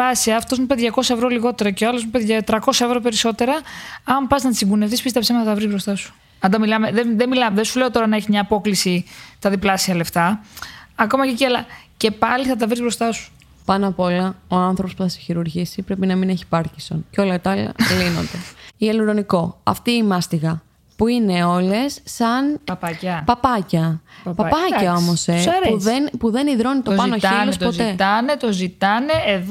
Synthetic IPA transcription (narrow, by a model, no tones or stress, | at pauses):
ɐsiɐːft̪o̞zmupe̞ðʝɐko̞sɐevɾo̞liɣo̞t̪e̞ɾɐceɐlo̞zmupeðʝɐt̪ɾɐko̞sɐe̞vɾope̞ɾiso̞t̪e̞ɾɐɐmpɐznɐt̪isiŋɡune̞fθispist̪e̞psemɐθɐt̪ɐvɾizbɾo̞st̪ɐsu̥ | ɐnd̪ɐmilɐmeðeðemilɐðensule̞o̞t̪o̞ɾɐnɐeçimɲɐːpo̞klisist̪ɐðiplɐsiɐle̞ft̪ɐ | ɐko̞mɐceciɐlɐce̞pɐliθɐt̪̬ɐvɾizbɾost̪ɐsu̥ | pɐnɐpo̞lɐo̞ɐnθɾo̞po̞spuθɐseçiɾuɾʝisipɾe̞pinɐmineçi̥pɐɾciso̞̰nceo̞lɐt̪ɐɐlɐ̰lino̞̰nd̪e̞ieluɾo̞niko̞ɐ̰ft̪iːmɐst̪iɣɐ | puine̞o̞le̞sːɐn | pɐpɐcɐpɐpɐcɐo̞mo̞seɾðenpuðe̞niðɾo̞nit̪opɐnoçinlost̪poze̞t̪ɐnet̪ozit̪ɐneeð